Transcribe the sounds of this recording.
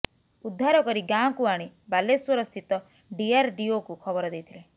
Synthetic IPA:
ud̪ʱːaɾɔkɔɾiɡãkuaɽ̃ibaleswɔɾɔst̪ʰit̪ɔ | ɖiaɾɖiokukʰɔbɔɾɔd̪ejt̪ʰile

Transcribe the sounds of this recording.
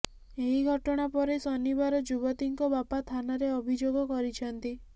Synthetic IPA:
eɦiɡʱɔʈɔɽ̃apɔɾesɔnibaɾɔd͡ʒubɔt̪iŋkɔbapat̪ʰanaɾeɔbʱid͡ʒoɡɔkɔɾit͡ʃʰɔnt̪i

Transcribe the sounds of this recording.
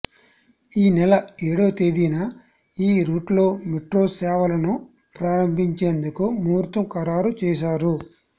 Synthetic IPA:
iːnɛlɐeːɽo̞ːt̪eːd̪inɐ | iːɾuːʈlo̞ːmeʈɾo̞ːsɛːʋɐlɐnu | pɾaːɾɐmbʱiɲt͡ʃeːnd̪ukumuːɾt̪umkɐɾaːɾut͡ʃɛːʃ̬aːɾu

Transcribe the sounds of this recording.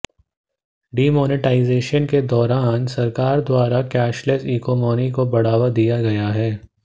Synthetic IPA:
ɖiːmɔːnɪʈaːɪzeːʃənked̪ɔːɾaːnsɐɾkaːɾd̪waːɾakɛːʃləsiːkɔːmɔːnikobɐɽ̤aːʋad̪ijaɡɐjaɦɛː

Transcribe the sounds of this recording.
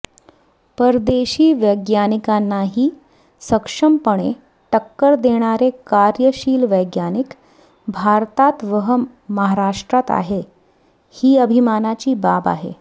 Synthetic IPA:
pəɾd̪eɕiːʋəjɡjanikanːaɦiː | səkʂəmpəɽ̃ḛ | ʈəkːəɾd̪eɽ̃aɾekaɾjəɕiːlʋəjɡjanik | bʱaɾt̪at̪ʋəɦə | məɦaɾaʂʈɾat̪a̰ɦe | hiːəbʱimanat͡ɕiːbaba̰ɦḛ

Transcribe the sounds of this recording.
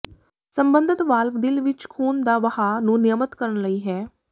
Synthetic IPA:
səmbənd̪ət̪ʋaːlʋd̪ɪlʋɪt͡ʃkʰuːnd̪aːʋəhaːnũːnɪjəmət̪kəɾənləiːɦɛː

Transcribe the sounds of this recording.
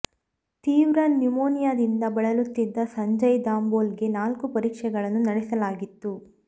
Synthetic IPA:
t̪iːʋɾɐnːumoːnijaːd̪ind̪ɐbɐɭɐlut̪ːid̪ːɐsɐɲd͡ʒɐjd̪aːmboːlɡe̞naːlkupɐɾiːkʂɛɡɐɭɐnːunɐɽɛsɐlaːɡit̪ːu

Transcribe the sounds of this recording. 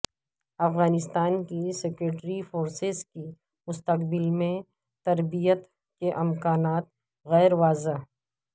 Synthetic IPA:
ɐfɣaːnɪst̪aːnkisekɾeːʈɾifoːɾsɪzki | mʊst̪ɐqbɪlmẽ | t̪ɐɾbijət̪ | keʔɪmkaːnaːt̪̚ | ɣɛːɾʋaːza

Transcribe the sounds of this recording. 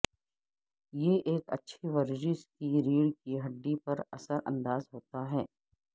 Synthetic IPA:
jeʔeːkɐ̰tːʃʰiʋɐɾd͡ʒɪskiɾiːɽkiɦɐɖːipɐɾɐsəɾʔɐ̰̃nd̪aːzɦoːt̪aɦɛː

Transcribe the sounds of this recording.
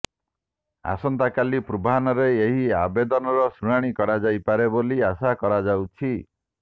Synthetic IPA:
a̰sɔnt̪akalipɾubaɦanɔɾeeɦia̰bed̪ɔnɔɾɔsuɽ̃aɽ̃ikɔɾad͡ʒajpaɾeboliasakɔɾad͡ʒawt͡ʃʰi

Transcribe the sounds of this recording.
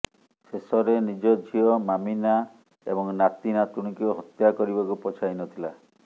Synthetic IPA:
sesɔɾenid͡ʒɔd͡ʒʱiɔmamina | ḛbɔŋnat̪inat̪uɽ̃ikiɦɔt̪jakɔɾibɔkupɔt͡ʃʰainɔt̪ʰila

